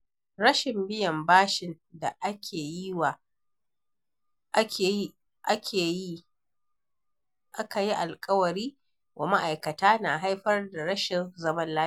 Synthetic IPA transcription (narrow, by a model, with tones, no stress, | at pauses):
ɽɐ˦ʃɪ˨mbɪ˦jɐ˨mbaː˦ʃɪ˨n | da˨ʔa˦kʲʰeː˨ji˦wa˨˦ | e˨˦ | ʔa˦kʲʰeː˨ji˦ | ʔa˦ka˨ji˦ʔa˨lkʼɐ˦wɐ˨ɽiː˦ | wʔa˨ma˦ʔa˨jkɐ˨taː˦na˨ɦa˦jɸɐ˦rda˨ɽɐ˦ʃɪ˨nzɐ˦mɐ˦nlaː˦